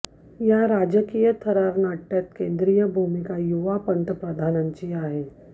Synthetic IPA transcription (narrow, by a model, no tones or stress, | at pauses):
jaɾad͡ʑəkijət̪ʰəɾaɾnaʈːjat̪kẽnd̪ɾijəbʱumikajuʋapənt̪əpɾəd̪ʱanaɲt͡ɕiːaɦe